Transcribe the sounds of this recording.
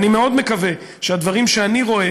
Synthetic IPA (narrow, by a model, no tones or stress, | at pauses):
nime̞o̞d̪mekave̞ | ʃead̪vaʁimʃeaniʁo̞e